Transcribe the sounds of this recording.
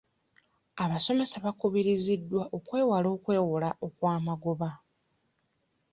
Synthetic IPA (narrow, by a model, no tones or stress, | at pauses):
aβaso̞me̞saβakuβiɾizidːwaʔo̞kwe̞ːwalo̞ːkwe̞ːwulaʔo̞kwaːmaɡoβa